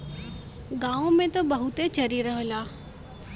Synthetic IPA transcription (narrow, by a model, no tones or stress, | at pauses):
ɡaːõmẽt̪obɐɦut̪et͡ʃɐɾiɾɐɦəlaː